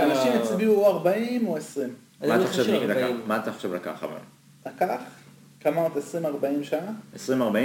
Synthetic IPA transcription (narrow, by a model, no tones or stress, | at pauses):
anaʃimet͡sbiuaʁbaimoesʁim | ataχoʃevaɡilakamaːt̪aχoʃevlaka̰χa̰ba̰ḭm | lakaχ | kamaot̪esʁimaʁbaimʃanaesʁimaʁbai